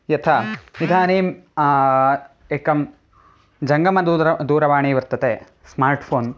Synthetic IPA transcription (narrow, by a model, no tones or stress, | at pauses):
jɐt̪ʰɐid̪ʱaːniːm | eːkɐm | d͡ʒɐŋɡɐmɐd̪ud̪uːɾɐʋaːɳiːʋɐɾt̪ɐt̪eː | smaːɾʈpʰoːn